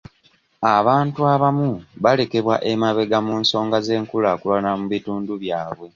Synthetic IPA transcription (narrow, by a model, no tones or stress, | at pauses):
aβaːntuaβamuβale̞ke̞βwa̰ʔe̞maβe̞ɡamuːnso̞ːŋɡaze̞ːŋkulakulanamuβituːnduβjaːβwe̞